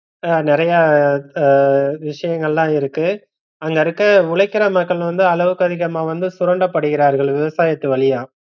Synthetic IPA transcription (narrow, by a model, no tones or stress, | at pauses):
anɪɾɐja | ʋɪʂɐjɐŋɡɐɭlãːɪɾɯkːɯ | ɐŋɡɐɾɯkːɐʊɭɐɪkːɪɾɐmɐkːɐɭ̃ʋɐnd̪ɯɐlɐʋɯkːɐðɪɣɐmaːʋɐnd̪ɯsʊɾɐɳɖɐpːɐɽɯɣɪɾaːɾɣɐɭʋɪʋɐsaːjɐt̪ːɯʋɐɭɪjaː